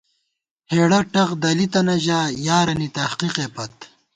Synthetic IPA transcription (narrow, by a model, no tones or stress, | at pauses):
heːɽɐʈɐqd̪ɐlit̪ɐnɐʑaːjaːɾɐnit̪ɐhqiqepɐt̪̚